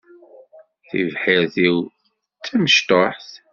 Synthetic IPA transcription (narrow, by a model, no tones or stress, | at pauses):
θḭvħɪɾθiw | t͡sːəməʃt̪oħθ